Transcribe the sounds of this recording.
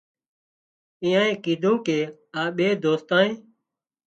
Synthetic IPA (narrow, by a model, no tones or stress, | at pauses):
ĩːãːẽːkiːd̪ʱõːkeːaːɓeːd̪oːst̪ãːnẽː